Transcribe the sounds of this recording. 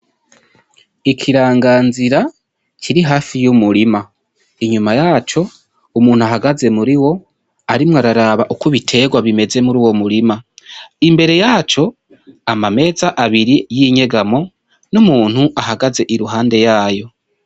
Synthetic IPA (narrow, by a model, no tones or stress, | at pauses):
ikʰiɾaːŋɡaːnziɾa | cʰiɾiɦaːfijumuɾima | iɲumajaːt͡ʃo̞ | umuːn̥uaɦaɡaze̞muɾiwo̞ | aɾimŋaɾaɾaβaʔukuβitʰe̞ɡwaβime̞ze̞muɾuːwo̞muɾimaimbe̞ɾe̞jaːt͡ʃo̞ | amame̞ːzaʔaβiɾijiɲe̞ɡamo̞ | numuːn̥huʔahaɡaze̞ʔiɾuɦaːnde̞jaːjo̞